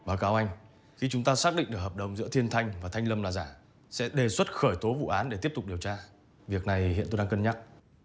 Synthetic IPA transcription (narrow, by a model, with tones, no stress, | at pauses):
ɓaː˨˦wkaː˨˦wʔa˧jŋ̟ | xi˧t͡ɕʊ˨˦ŋ͡mt̪aː˧saː˦˥k̚ɗḭ˧˨ŋ̟ɗɨ˨˩k̚ɦəː˨˩p̚ɗə˨˩wŋ͡mzɨ̰˧˥ət̪ʰi˧ənt̪ʰa˧jŋ̟vaː˨˩t̪ʰa˧jŋlə˧mlaː˨˩zaː˧˩ | sɛ̰˧˥ɗe˨˩swə˦˥t̚xəː˧˩jt̪o˨˦vṵ˧˨ʔaː˨˦nɗe˧˩t̪i˦˥əp̚t̪ʊ˨˩k͡p̚ɗi˨˩əwt͡ɕaː˧ | vi˨˩ək̚na˨˩jhḭ˧˨ənt̪o˧ɗaː˧kə˧nɲa˦˥t̚